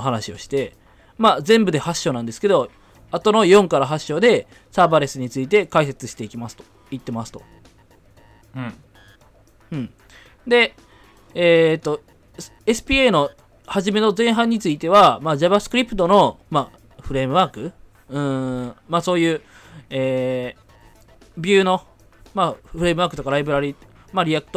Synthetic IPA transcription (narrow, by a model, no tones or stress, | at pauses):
ɦanaɕio̞ɕi̥t̪e̞ | mad͡zẽ̞mbɯ̟d̪ehaɕːo̞ːnãnd̪e̞sɨ̥ke̞d̪o̞ | at̪o̞no̞jõ̞ŋkaɾaɦaɕːo̞d̪e̞ | saːbaɾe̞sɨɲ̟it͡sɨit̪e̞kaise̞t͡sɨɕi̥t̪e̞ikʲimasɨ̥t̪o̥ | it̪ːe̞masɨ̥t̪o̞ | ɯ̟̃ɴ | d̪e̞ | eːt̪ːo̞ | esɨ̥pʲieno̞ | haʑime̞no̞zẽ̞ɰ̃ɦãɲ̟ːit͡sɨit̪e̞βamaːd͡ʑaβasɨ̥kɯ̟ɾʲipɯ̟̥t̪ːo̞no̞ma | ɸɯ̟ɾe̞mɯ̟βaːkɯ̟ | ɯ̟̃maːso̞ːjɯ̟ː | eː | bʲɨːno̞ | maɸɯɾe̞mɯ̟βaːkɯ̟t̪o̞kaɾaibɯ̟ɾaɾʲi | maɾʲiakɯ̥t̪o